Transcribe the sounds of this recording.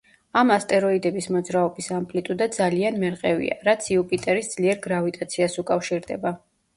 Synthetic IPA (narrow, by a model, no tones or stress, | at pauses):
amast̪ʼɛɾɔid̪ɛbismɔd̪zɾaɔbisampʼlit̪ʼud̪ad̪zalianmɛɾqʼɛvḭa̰ɾat̪sʰiupʼit̪ʼɛɾisd̪z̥liɛɾɡɾavit̪ʼat̪sʰiasukʼafʃiɾd̪ɛ̰ba